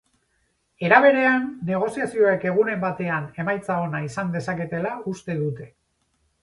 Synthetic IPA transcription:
e̞ɾaβ̞e̞ɾe̞anːe̞ɣ̞o̞siasio̞e̞ke̞ɣ̞une̞mbat̪e̞ane̞majt͡sao̞naisand̪e̞sake̞t̪e̞laust̪e̞ðut̪e̞

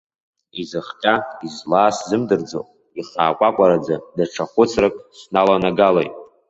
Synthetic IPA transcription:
izɨχqʲʼaizlaːszɨmdɨrd͡zo̰ | iχa̰ːkʷʼakʷʼaɾad͡zadaʈ͡ʂʰaχʷʊt͡sʰrakʼsnalanaɡala̰jtʼ

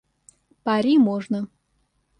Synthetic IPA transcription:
paɾʲimoʐnə

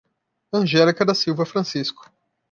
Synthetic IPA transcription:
ɐ̃ʒɛlikɐd̪ɐsiwvɐfɾɐ̃siskʊ̥

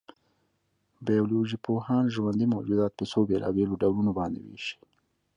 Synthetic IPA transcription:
bɑjoloʒipohɑnʒwand̪imawd͡ʒud̪ɑːt̪̚pesobelʔɑ̰beloɖawlunobɑːnd̪ḛwḛʃi̥

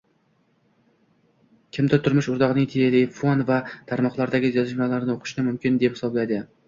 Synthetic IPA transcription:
kʲʰɪmd̪at̪ʰʊɾmɪʃʊɾd̪ɒʁnɪŋt̪ʰejelɪfonvat̪ʰaɾmɒqlˠaɾd̪aɡʲɪzjɒzɪʃmalaɾnɪoqʰɨ̥ʃɪnɪmʊmkʲʰɪnd̪ephɪ̥sɒblajd̪ɪ

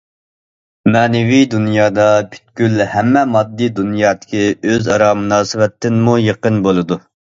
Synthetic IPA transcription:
mɛːnɪvid̪unjɑːd̪ɑpʰy̥t̪̚kʲylhɛmːɛmɑd̪ːid̪unjɑːt̪ɪ̥kʲʰiøzɑɾɑmunɑːsɪwɛt̪ːɪnmujeqənbolˠɨd̪u

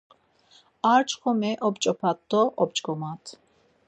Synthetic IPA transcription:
aɾt͡ʃʼχɔmɛʔɔpt͡ʃʼɔpʰat̪d̪ɔʔɔb̚t͡ʃʼɡɔmat̪ʰ

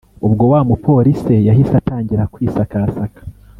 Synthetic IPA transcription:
ubɡo̞waːmupʰo̞ɾisejaɦisataːɲɟiɾakwiːsakasakḁ

